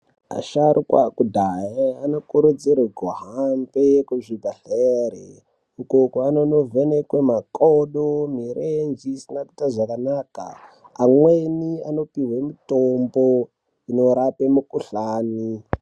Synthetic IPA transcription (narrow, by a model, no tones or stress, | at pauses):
a̰ʃaɾʔukwakudʱajeano̞kuɾud͡ziɾiɡʱoɦambekuʐibʱaɬeɾe | ukokuanono̞vʱenekwemakoɗomirend͡ʒiːsinaki̥taʐakanaːka̰ː | mweniano̞piɦwemitombo | ino̞ɾapemukuɬaːni